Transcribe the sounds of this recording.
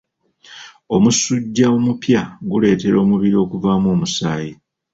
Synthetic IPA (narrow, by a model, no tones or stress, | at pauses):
o̞musuɟːaomupjaɡule̞ːte̞ɾo̞ːmuβiɾio̞kuvaːmoːmusaːji